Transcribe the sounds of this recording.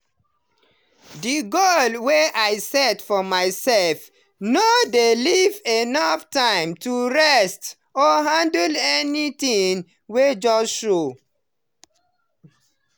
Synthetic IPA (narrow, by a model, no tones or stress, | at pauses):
diɡolweʔaɪsɛdfɔmaɪsɛlf | nodelivenaftãɪ̃mtʰuɹɛst | ɔɦãndəlɛnit̪ĩŋ | wed͡ʒɔsʃo